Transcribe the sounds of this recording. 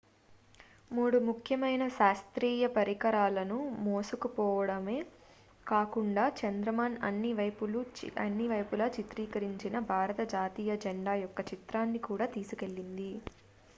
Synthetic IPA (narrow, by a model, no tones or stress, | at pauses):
muːɽumukʰjɐmɐjnɐʃaːst̪ɾiːjɐpɐɾikɐɾaːlɐnumoːsukupɔːʋɐɽɐmeː | kaːkuɳɖaːt͡ʃɐnd̪ɾɐmaːnɐ̰nːiʋɐjpuluɐ̰nːiʋɐjpulɐːt͡ʃit̪ɾiːkɐɾiɲt͡ʃinɐbʱaːɾɐt̪ɐd͡ʒaːt̪iːjɐd͡ʒɛɳɖaːjɔkːɐt͡ʃit̪ɾaːnːikuːɽaːt̪iːsuke̞ɭːind̪i